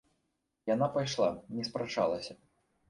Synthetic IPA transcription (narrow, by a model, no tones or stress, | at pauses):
janapajʂlˠanʲɛspɾat͡ʂa̰lˠɐsʲɐ